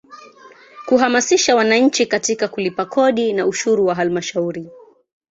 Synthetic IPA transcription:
kuɦamasiʃawanaɲ̩t͡ʃikatikakulipakʰɔɗinauʃuɾuwaɦalmaʃauɾi

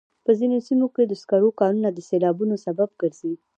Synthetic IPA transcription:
pəzinosimoked̪əskaɾokɑɾunad̪əselɑbunosabab̚ɡəɾz̥i

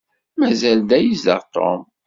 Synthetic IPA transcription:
mæzæld̪æjizə̰ʁt̪o̰m

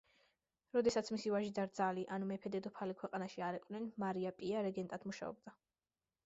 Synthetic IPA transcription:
ɾɔd̪ɛsat̪sʰmisivaʒid̪aɾd̪zaliʔanumɛpʰɛd̪ɛd̪ɔpʰalikʰwɛqʼanaʃiaɾɛqʼnɛnmaɾiapʼiaɾɛɡɛnt̪ʼad̪muʃa̰ɔ̰b̚d̪a

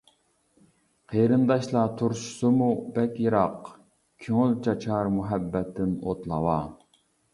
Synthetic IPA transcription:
qʰeɾɨnd̪ɑʃlˠɑt̪ʰuɾʃʊ̥sʊmubɛkʲjiɾɑq | kʲʰøŋylt͡ʃʰɑt͡ʃʰɑɾmuɦɛbːɛt̪ʰːɪnot̪lˠɑwɑː

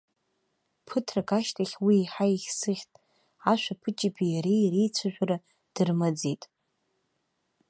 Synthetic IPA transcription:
pʰɨtʰrakʼaʃtʰʼaχʲwiːħaiχʲsɨχʲtʼ | aʃᶣʷapʰɨt͡ʃʼipʰijaɾejrejt͡sʷʰaʒᶣʷaɾa | d̥ɨrmad͡zetʼ

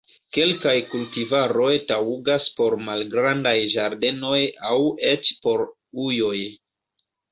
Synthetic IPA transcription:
ke̞lkajkultivaɾo̞jtawuɡaspo̞ɾmalɡɾandajʒaɾde̞no̞jawe̞t͡ʃpo̞ɾ | ujo̞j

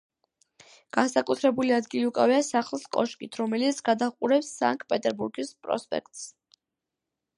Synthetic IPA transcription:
ɡ̥ansakʼut̪ʰɾɛbuliad̪ɡiliukʼa̰viasaχlˠskʼɔʃkʼit̪ʰɾɔmɛlit̪sʰɡad̪aqʼuɾɛpsːa̰ŋkʼpʼɛt̪ʼɛɾbuɾɡispʼɾɔ̰spʼɛ̰kʰt̪ʼs

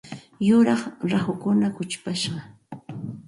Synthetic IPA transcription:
jʊɾɑχɾahʊkʊnakʊt͡ʃpaʃɢɑ

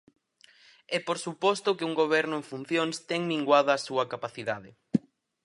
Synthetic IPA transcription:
ɛpoɾsupɔst̪ʊkɪuŋɡoβ̞ɛɾnʊẽŋfun̟θjoŋst̪ɛŋliŋɡwaðɐːsuɐkapaθiðaðɪ

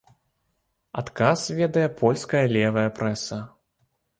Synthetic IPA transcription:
at̪kasvʲɛd̪ɐjɛpʰɔlʲskɐjɐlʲɛvɐjɐpɾɛsɐ

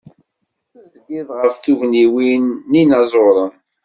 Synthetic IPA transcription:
æzɡiðʁəfθuʝniwinːinɑzˤoɾˤən

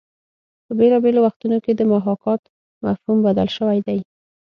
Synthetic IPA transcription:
pəbelɑbelowaxt̪unoked̪əmaɦɑkɑt̪ | mafhumbad̪a̰lʃəwajd̪aj

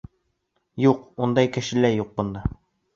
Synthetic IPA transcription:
juqund̪ɑjkɘ̆ʃɘ̆læjuq̚bŏnd̪ɑ

